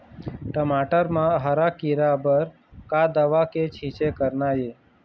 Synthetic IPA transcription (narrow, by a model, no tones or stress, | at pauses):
ʈəmaːʈəɾmãɦəɾakiɾabəɾ | kad̪əʋaket͡ʃʰit͡ʃekəɾnaje